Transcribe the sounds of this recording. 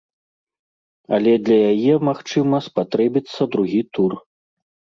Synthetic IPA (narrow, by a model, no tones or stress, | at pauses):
ɐlʲɛd̪lʲɐjajɛmaxt͡ʂɨmɐspat̪ɾɛbʲit̪sːɐd̪ɾuɣʲit̪ur